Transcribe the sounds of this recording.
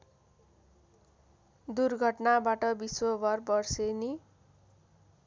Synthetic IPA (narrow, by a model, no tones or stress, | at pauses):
d̪urɡʱʌʈnabaʈʌbiswobʱʌrbʌrseni